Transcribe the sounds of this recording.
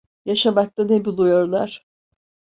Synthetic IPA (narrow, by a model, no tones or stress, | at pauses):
jaʃamak̚t̪anebulˠujoɾlˠaɾ̥